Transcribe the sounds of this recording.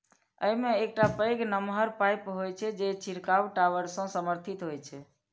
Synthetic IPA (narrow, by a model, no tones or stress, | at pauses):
ə̰jmeːk̚ʈapəjɡnəmɦəɾpajpɦojt͡ʃʰɛd͡ʒet͡ʃʰiɾkawʈaʋəɾsə̃səməɾt̪ʰit̪ɦojt͡ʃʰɛ